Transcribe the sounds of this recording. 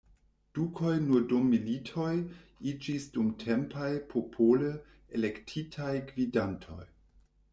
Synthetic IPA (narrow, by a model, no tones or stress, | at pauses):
d̥ukʰojnuɾdomːilitʰojid͡ʒisdumtʰempʰajpʰopʰolə | elektʰitʰajkvidantʰo̞̰j